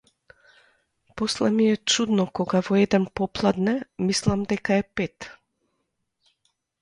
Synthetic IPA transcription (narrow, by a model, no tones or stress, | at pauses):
pɔslɛmiɛt͡ʃud̪nɔkɔɡavɔɛd̪ɛnpɔplˠad̪nɛmislˠamd̪ɛkaɛpɛt̪